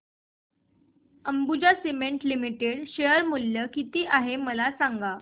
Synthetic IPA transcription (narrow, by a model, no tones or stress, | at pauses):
əmbud͡ʑasimeɳʈlimiʈeɽɕejəɾmuljəkit̪iːʔaɦeməlasaŋɡa